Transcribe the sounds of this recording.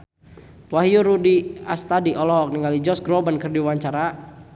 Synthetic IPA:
waɦijuɾudiast̪adiʔɔlɔɦɔk̚niŋalid͡ʒɔsɡɾɔbankɨrdiwaɲt͡ʃaɾa

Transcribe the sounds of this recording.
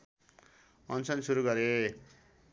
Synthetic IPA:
ʌnt͡sʌnsuɾuɡʌɾe

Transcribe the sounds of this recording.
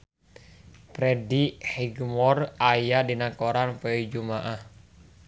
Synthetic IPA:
pɾɛdihiɡmɔrajadinakoɾanpɛid͡ʒumaʔah

